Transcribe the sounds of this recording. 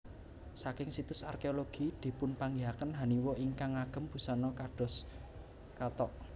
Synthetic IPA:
sakɪŋsit̪ʊsa̰rkeoloɡ̥i̤d̪̥i̤pʊnpaŋɡiɦakənɦa̤niwɔʔiŋkaŋaɡ̥ə̤mb̥ṳsɔnɔkaɖ̥ɔ̤s | kat̪ɔʔ

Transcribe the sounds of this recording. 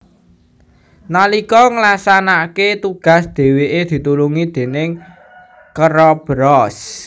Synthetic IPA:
nalikɔŋəlasanaket̪uɡ̥a̤sd̪̥e̤weʔed̪̥i̤t̪uluŋid̪̥e̤nɪŋ | kəɾɔb̥ɾɔs

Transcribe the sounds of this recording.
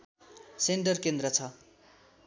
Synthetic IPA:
senʈʌrkend̪ɾʌt͡sʰʌ

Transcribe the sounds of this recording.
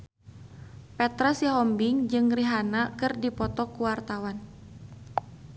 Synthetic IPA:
pɛt̪ɾasjaɦɔmbɪŋd͡ʒɨŋriɦanakɨrdipɔt̪ɔkuwart̪awan

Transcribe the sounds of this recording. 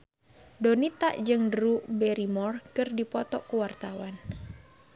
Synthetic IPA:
dɔnit̪aʔd͡ʒɨŋdɾubɛɾimɔrkɨrdipɔt̪ɔkuwart̪awan

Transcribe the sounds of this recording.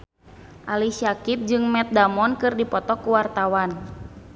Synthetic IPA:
ʔalisiakit̪̚d͡ʒɨŋmɛt̪̚damɔnkɨrdipɔt̪ɔkuwart̪awan

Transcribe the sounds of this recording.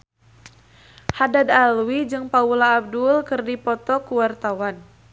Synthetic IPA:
hadadalwid͡ʒɨŋpaulaːb̚dulkɨrdipɔt̪ɔkuwart̪awan

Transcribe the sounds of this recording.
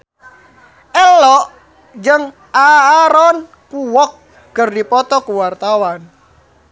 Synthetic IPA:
ɛlɔʔ | d͡ʒəŋ | aːɾɔn | kuwɔk̚ː | ərdipɔt̪ɔkuwart̪awan

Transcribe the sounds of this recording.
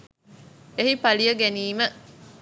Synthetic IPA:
eɦipɐlijəɡeniːmə

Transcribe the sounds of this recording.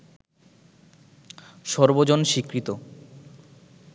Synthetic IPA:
ʃɔɾbod͡ʑonʃikɾit̪o

